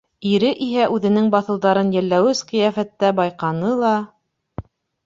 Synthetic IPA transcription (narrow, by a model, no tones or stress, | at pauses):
iɾɘʔiɦæʔʉðɘ̆nɘŋbɑθɤ̆wðɑɾɤnjælːæwɘsqɤ̆jæfæt̪ːæbɑjqɑnɤlˠɑ